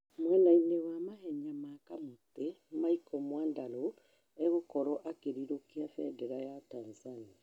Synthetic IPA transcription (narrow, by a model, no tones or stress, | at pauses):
mwɛnainewamahɛɲamakamot̪emaikɔmwaːndalo | eɣokɔɾɔʔakeɾiɾokiafɛdɛɾajatanzania